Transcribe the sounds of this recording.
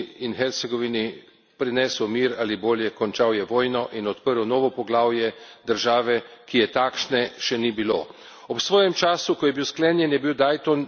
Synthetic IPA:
inxɛɾt̪sɛɡɔʋini | pɾinɛsɔmiːɾaːliboːljɛkɔnt͡ʃaːwjɛʋoːjnɔʔinɔt̪pəɾwnɔːʋɔpɔɡlaːwjɛd̪əɾʒaːʋɛkijɛt̪akʃnɛʃɛnibiloː | ɔpsʋɔːjɛmt͡ʃaːsukɔjɛbiwsklɛːnjɛnjɛbiwd̪aːjt̪ɔn

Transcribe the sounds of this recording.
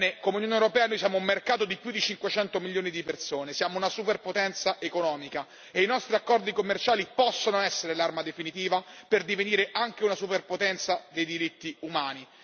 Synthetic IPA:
nekomeunjonewɾopɛːanojsjaːmoumːerkaːt̪od̪ipjud̪ːit͡ʃiŋkwet͡ʃɛnt̪omilːjoːnid̪ipersoːnesjaːmounasuperpot̪ɛnt̪saʔekonɔːmika | einɔst̪ɾiakːɔrd̪ikomːert͡ʃaːlipɔsːonoɛsːeɾelarmad̪efinit̪iːvaperd̪iveniːɾeʔaŋk̟eunasuperpot̪ɛnt̪sad̪ejd̪iɾit̪ːiumaːni

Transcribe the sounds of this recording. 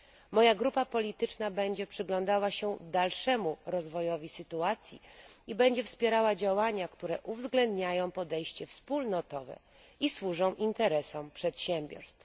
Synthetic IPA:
mɔjaɡɾupapɔlʲit̪ɘt͡ʂnabɛɲd͡ʑɛpʂɘɡlɔ̃nd̪awaɕɛd̪alʂɛmuɾɔzvɔjɔvʲisɘt̪uat̪sʲjḭibɛɲd͡ʑɛfspʲjɛɾawad͡ʑawaɲakt̪uɾɛʔuvzɡlɛnd̪ɲajɔ̃w̃pɔd̪ɛjɕt͡ɕɛfspulnɔt̪ɔvɛ̰ | iswuʐɔ̃w̃ʔint̪ɛɾɛsɔmpʂɛt̪ɕɛmʲbʲjɔ̰ɾst̪f

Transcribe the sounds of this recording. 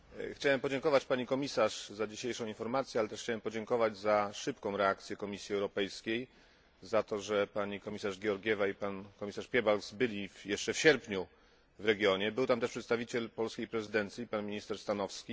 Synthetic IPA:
xt͡ɕawɛmpɔd͡ʑɛŋkɔvat͡ɕpaɲikɔmʲisaʂzad͡ʑiɕejʂɔ̃w̃infɔɾmat̪sʲjɛalɛt̪ɛʂxt͡ɕawɛmpɔd͡ʑɛŋkɔvad͡ʑzaʂɘpkɔ̃w̃ɾɛak̚t̪sʲjɛkɔmʲisʲjiɛwɾɔpɛjskʲej | zat̪ɔʐɛpaɲikɔmʲisaʐɡʲɛɔɾɡʲjɛvaipankɔmʲisaʂpʲjɛbalɡzbɘlʲifjɛʂt͡ʂɛfɕɛɾpɲu | vɾɛɡʲjɔɲɛbɘwt̪amt̪ɛʂpʂɛt̪st̪avʲit͡ɕɛlpɔlskʲejpɾɛzɘd̪ɛnt̪sʲjipanmʲiɲist̪ɛʂst̪anɔfskʲi

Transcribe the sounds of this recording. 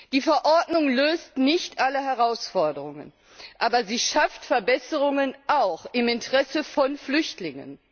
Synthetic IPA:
d̥iːfɛɐʔɔɐdnʊŋløːstnɪçtʔaləɦɛʁaʊsfɔɐdəʁʊŋə̰n | ʔaːbɐziːʃaftfɛɐbɛsəʁʊŋənʔaʊxɪmɪntəʁɛsəfɔnflʏçtlɪŋə̰n

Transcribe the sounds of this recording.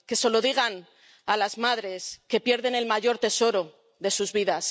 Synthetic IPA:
ke̞so̞lo̞ðiɣ̞an | alazmaðɾe̞ske̞pje̞ɾðe̞ne̞lmaʝo̞ɾt̪e̞so̞ɾo̞ | ðe̞suzβiðas

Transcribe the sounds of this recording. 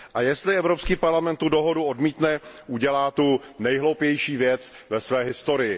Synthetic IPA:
ʔajɛst̪lɪɛvɾopskiːpaɾlamɛnt̪ːudo̞ɦoduodmiːt̪nɛʔuɟɛlaːt̪unɛjɦlowpjɛjʃiːvjɛt͡s | vɛsvɛːɦɪst̪o̞ɾɪjɪ

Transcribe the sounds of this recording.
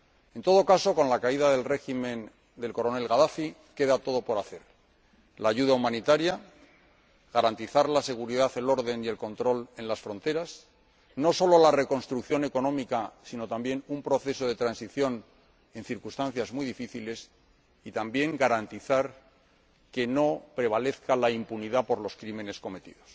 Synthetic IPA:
e̞nt̪o̞ð̞o̞kaso̞ko̞nlakaiðaðe̞lre̞ximẽ̞n | d̪e̞lko̞ɾo̞ne̞lɣaðafi | ke̞ðat̪o̞ð̞o̞po̞ɾaθe̞ɾ | laːʝuðaumãnit̪aɾja | ɣaɾant̪iθaɾlase̞ɣuɾiðaθe̞lo̞ɾðe̞nie̞lkõ̞nt̪ɾo̞le̞nlasfɾo̞nt̪e̞ɾas | no̞so̞lo̞lare̞ko̞nst̪ɾukθjo̞ne̞ko̞nõ̞mikasino̞t̪ambje̞numpɾo̞θe̞so̞ð̞e̞t̪ɾansiθjo̞n | e̞nθiɾkust̪an̟θjazmwujðifiθile̞s | it̪ambje̞ŋɡaɾant̪iθaɾ | ke̞no̞pɾe̞β̞ale̞θkalaimpuniðapo̞ɾlo̞skɾimẽ̞ne̞sko̞me̞t̪ḭðo̞s

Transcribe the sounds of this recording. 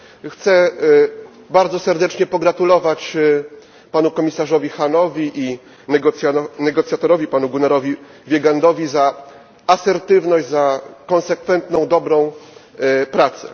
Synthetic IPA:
xt̪sɛ | baɾd̪zɔsɛɾd̪ɛt͡ʂɲɛpɔɡɾat̪ulɔvat͡ɕ | panukɔmʲisaʐɔvʲixanɔvʲiʔi | ɡɔt̪sʲjanɛɡɔt̪sjat̪ɔɾɔvʲipanuɡunɛɾɔvʲi | vʲjɛɡand̪ɔvʲiza | asɛɾt̪ɘvnɔʑzakɔnsɛkfɛnt̪nɔ̃w̃d̪ɔbɾɔ̃w̃ | pɾat̪sɛ̰

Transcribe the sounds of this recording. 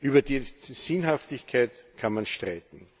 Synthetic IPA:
ʔyːbɐdiːsɪnɦaftɪçkʰaɪtkʰanmanʃtʁaɪt̪n̩

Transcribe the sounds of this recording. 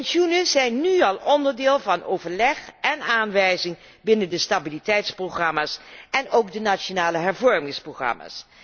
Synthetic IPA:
ɛnʃunəzɛjnːyɑlˠɔndəɹdɪːlˠvɑnowvəɹlɛχɛnaːnʋɛjzɪŋ | bɪnəndəstabilitɛjtsproχrɑmaːsɛnowɡdənat͡ʃonaːləɦɛɹvɔɹmɪŋsproχrɑ̰ma̰ːs

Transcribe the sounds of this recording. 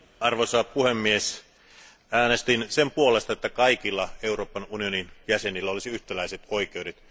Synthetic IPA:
ɑrʋosɑːpuhemːies | æːnest̪insempuolest̪ɑet̪ːækɑikilːɑeuroːpːɑnunioninjæsenilːæolisiyht̪ælæiset̪oikˑeudet̪

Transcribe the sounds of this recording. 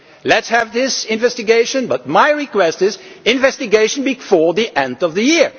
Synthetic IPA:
lɨtshɨvðɪsɪ̃ɱvɛstɨɡeɪʃɨ̃nbʌt̚maɪɹɨkw̥ɛstɪzɪ̃nɱvɛstɨɡeɪʃnbɨfɔɹðiʔɛ̃ndʌvðɨjɪɹ

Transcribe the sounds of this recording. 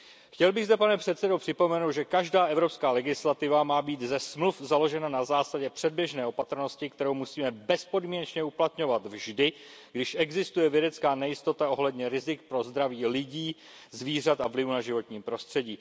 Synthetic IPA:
xcɛlbɪɣzd̪ɛpanɛpr̥ɛt̪sɛdopr̝̥ɪpo̞mɛnowt̪ʒɛkaʒdaːʔɛvɾo̞pskaːlɛɡɪslat̪ɪvamaːbiːt̪zɛsmlufzalo̞ʒɛnanazaːsaɟɛpr̝̥ɛd̚bjɛʒnɛːopat̪ɾ̩no̞scɪkt̪ɛɾo̞wmusiːmɛbɛspo̞dmiːɲɛt͡ʃɲɛuplat̪ɲo̞vat̪vʒdɪ | ɡdɪʃʔɛɡzɪst̪ujɛvjɛdɛtt͡skaːnɛjɪst̪o̞t̪ao̞ɦlɛdɲɛɾɪzɪk̚pɾo̞zd̪ɾaviːlɪɟiː | zviːr̝at̪avlɪvunaʒɪvo̞t̪ɲiːmpɾo̞st̪r̝̥ɛɟiː

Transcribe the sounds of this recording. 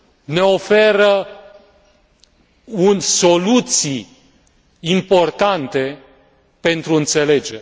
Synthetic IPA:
ne̞o̞fe̞ɾə | unʲso̞lut̪si | impo̞rt̪ant̪e̞ | pe̞nt̪ɾuɨnt̪se̞le̞d͡ʒeɾ

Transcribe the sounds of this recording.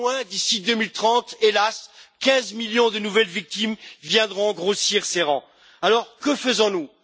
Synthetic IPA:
ɛ̃d̪isid̪əmilt̪χɑ̃t̪elaskʲɛ̃zmiljɔ̃d̪ənuvɛlvik̚t̪imvjɛ̃d̪ʁɔ̃ɡʁosiʁseʁɑ̃ | alɔʁkəfəzɔ̃nu

